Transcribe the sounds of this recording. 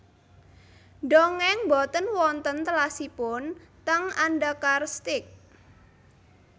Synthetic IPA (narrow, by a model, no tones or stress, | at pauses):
ɖɔŋɛŋbɔt̪ənwɔnt̪ənt̪əlasipʊnt̪əŋanɖakarst̪ɪk̚